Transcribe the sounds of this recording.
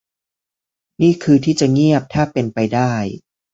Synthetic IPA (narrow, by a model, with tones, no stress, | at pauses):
niː˥˩kʰɯː˧t̪ʰiː˥˩t͡ɕa˨˩ŋi˥˩əp̚t̪ʰaː˥˩pe˧npa˧jdaː˥˩j